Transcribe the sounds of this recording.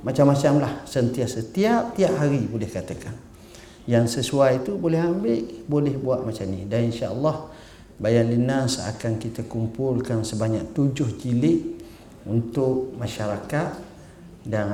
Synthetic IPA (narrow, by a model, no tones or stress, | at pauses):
mat͡ʃamːat͡ʃamlahsənt̪iahsət̪iap̚t̪iaʔhaɾibolɛhkat̪akan | jaŋsəsuajit̪ubolɛɦambɪʔbolɛhbuaʔ̪̚mat͡ʃamnidaninʃaəlːɑh | bajanlinasa̰kankit̪akumpʊlkansəbaɲak̚t̪ud͡ʒʊhd͡ʒilɪʔ | unt̪ʊk̚maʃaɾakat̪̚ | dan